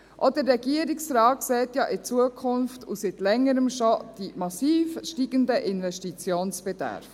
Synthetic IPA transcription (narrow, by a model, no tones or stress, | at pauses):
ʔɔdəɾːɛɡ̥iəɾiksɾɑːt̚ksɛːtjɑʔɪt͡suəkʰʊnftʰṵsitlɛŋːəɾəmʃɔd̥imɑsiːfʃtiːɡ̥əndəʔɪnvɛʃtit͡sjoːnsb̥ɛd̥̪æ̰ɾf